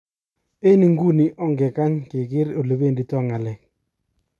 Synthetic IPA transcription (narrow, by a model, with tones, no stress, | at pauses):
e˦ni˨ŋɡu˦ni˨˦ʔɔ˦ŋɡɛ˨ka˦ɲkɪ˨kɪ˦ɾo˨le˨be˦˨ndi˨tɔ˦˨ŋa˨lɛ˨k̚